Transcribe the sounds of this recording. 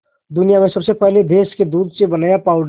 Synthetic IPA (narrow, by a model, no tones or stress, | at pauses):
d̪ʊnijamẽsɐbsepɛɦled̪ʱeːsked̪uːd̪sebənaːjapaːʊɖ